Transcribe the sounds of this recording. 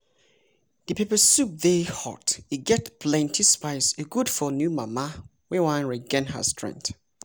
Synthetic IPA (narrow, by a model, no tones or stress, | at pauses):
dɨpʰepəsup̚ðehɔ̰tiɡɛtpʰlɛ̃ntʰispaɪsəɡudfɔnjumama | wewãnɹiɡɛ̃nɦə̰stɹɛ̰̃ŋk̚t